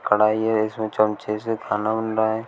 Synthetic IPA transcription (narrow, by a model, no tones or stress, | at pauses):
kəɽ̤aːiɦɛɪsmẽt͡ʃəmt͡ʃesekʰaːnabənɾaaɦɛː